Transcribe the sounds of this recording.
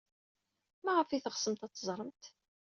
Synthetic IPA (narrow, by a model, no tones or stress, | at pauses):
mæʁəfiθəʁsəmt̪ɑt̪ˤːəzˤɾˤəmt̪